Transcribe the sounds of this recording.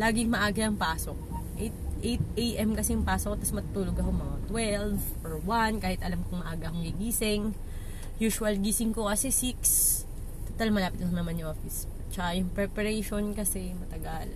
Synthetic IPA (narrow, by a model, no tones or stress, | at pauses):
laːɡɪŋmɐʔaːɡɐʔɐŋpaːsok | ʔejt̪̚ʔejt̪̚ʔejʔɛmkɐsɛjʊŋpaːsokt̪ɐsmɐt̪t̪uːloɡɐkoŋmɐŋat̪wɛlvʔoɹwankaːhɪt̪ʔɐlamkʊŋmɐʔaːɡɐkoŋɡiɡiːsɪŋ | juːʃʊɐlɡiːsɪŋkokɐsɛsiks | t̪ot̪almɐlaːpɪt̪̚lʊŋnɐmɐnjʊŋʔoːfɪs | t͡ʃɐkajʊŋpɾɛpɐɾɛjʃonkɐsɛmɐt̪ɐɡal